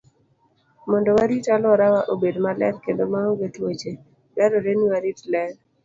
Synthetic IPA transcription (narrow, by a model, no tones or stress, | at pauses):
mɔndɔwaɾitalɔɾawaʔobedmalɛ̰ɾkendomaɔɡetwot͡ʃe | bɛɾoɾeniwaɾitlɛɾ